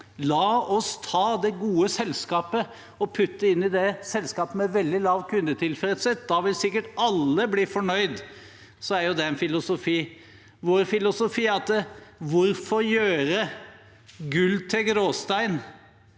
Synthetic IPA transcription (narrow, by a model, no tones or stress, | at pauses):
lɑːɔst̪ʰɑːd̪ɛɡuːəsɛlskɑːpə | ɔpʰʉt̪ːəɪnːɪd̪ɛsɛlskɑːpəmɛʋɛld̪ɪlɑːʋkʰʉnd̪ət̪ʰɪlfɾɛt̪sət̪d̪ɑʋɪlsɪkːəʈɑlːəbliːfɔɳœʏd̪ | sɔæɾjʊd̪ɛɛnfɪlʊsʊfiː | ʋoːɾfɪlʊsʊfiːɑt̪ːəʋʊɾfɔɾjøːɾə | ɡʉlːt̪ʰɪlɡɾoːst̪æɪn